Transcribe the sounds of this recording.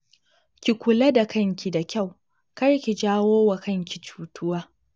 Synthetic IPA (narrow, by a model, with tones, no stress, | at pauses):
kʲi˨kʷʊ˨lɐ˦da˨kɐ˦ŋkʲi˨da˨kʲa˦˨w | kɐ˦rkʲi˨d͡ʒaː˦woː˦wa˨kɐ˦ŋkʲi˨t͡ʃu̥ː˦tʰʊ˦waː˦